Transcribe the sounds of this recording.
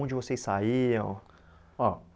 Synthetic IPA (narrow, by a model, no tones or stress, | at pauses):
d͡ʒɪvosejsaiɐ̃w̃ | ɔ